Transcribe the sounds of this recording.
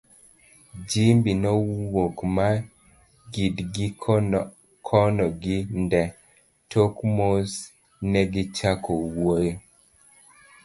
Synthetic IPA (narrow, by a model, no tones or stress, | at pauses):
d͡ʒimbinɔwokma | ɡidɡi | kʰɔnɔɡindɛ | tʰokmos | nɛɡit͡ʃakowojo